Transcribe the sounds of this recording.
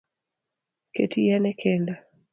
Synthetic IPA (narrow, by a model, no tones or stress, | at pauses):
ketijɛnɛkʰenda